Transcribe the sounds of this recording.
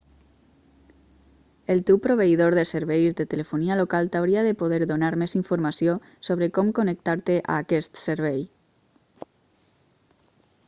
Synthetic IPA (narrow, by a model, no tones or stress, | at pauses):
əlˠt̪ewpɾoβ̞eiðoɾðəsəɾβɛjzdət̪ələfunialokalˠt̪awɾiaðəpoð̞ɛɾðunaɾmeziɱfuɾmasijo | soβ̞ɾəkɔmkonək̚t̪aɾt̪eʔa̰ːkɛst̪səɾβɛj